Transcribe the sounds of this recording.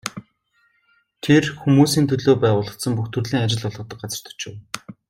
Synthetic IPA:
t̪ʰerxumuːsiːnt̪ʰɵɮoːpæːwʊːɮə̆χt̪sə̆mpuxt̪ʰɵrɮiːŋat͡ɕɪ̆ɮɔɮʁɞ̆t̪ə̆k̚ɢat͡sə̆r̥t̪ʰɔ̥t͡ɕĕːw

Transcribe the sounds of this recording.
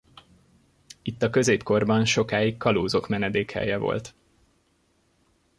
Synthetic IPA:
it̪ːɒkø̞zeːpko̞rbɒnʃo̞kaːikːɒloːzo̞kmɛnɛd̪eːkhɛ̰jɛvo̞̰lt̪

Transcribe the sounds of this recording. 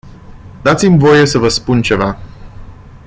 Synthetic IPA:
d̪at̪simvo̞je̞səvəspunt͡ʃe̞va

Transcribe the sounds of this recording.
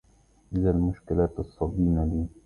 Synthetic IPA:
ʔɪzalmʊʃkɪlaːt̪ɨsˤːɑb̪iːnaliː

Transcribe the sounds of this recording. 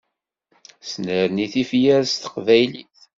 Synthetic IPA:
snəɾniθifjæɾst̪ə̥qvæjliθ

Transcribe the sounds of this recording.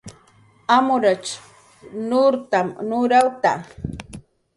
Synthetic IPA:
amʊɾat͡ʃ | nʊɾt̪amnʊɾawt̪a̰

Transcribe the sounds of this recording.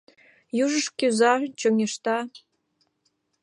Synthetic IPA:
juʒəʃkʲyzɑt͡ɕoŋʲeʃt̪ɑ

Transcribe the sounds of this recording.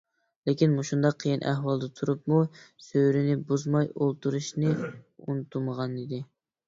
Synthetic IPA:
lekʲinmuʃund̪ɑqʰːəjinʔæ̰hwɑlˠd̪ɨt̪ʰuɾup̚musøɾɪnɪbuzmɑjolˠt̪uɾuʃnɨṵnt̪ʰuməʁɑnid̪ɪ

